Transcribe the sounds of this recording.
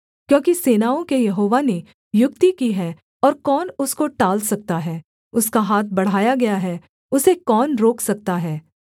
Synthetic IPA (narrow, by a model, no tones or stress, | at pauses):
kjõːkiseːnaːõkejɐɦoːʋane | jʊk̚t̪ikiɦɛ | ɔːɾkɔːnʊskoʈaːlsɐk̚t̪aɦɛː | ʊskaɦaːt̪̚ʰbɐɽ̤aːjaɡɐjaɦɛ | ʊsekɔːnɾoːksɐk̚t̪aɦɛː